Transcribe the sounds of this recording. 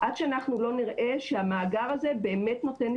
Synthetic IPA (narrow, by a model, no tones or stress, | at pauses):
ʔadʃeanaχnulo̞niʁʔe̞ʃeamaːɡaʁaze̞be̞ːme̞tno̞te̞n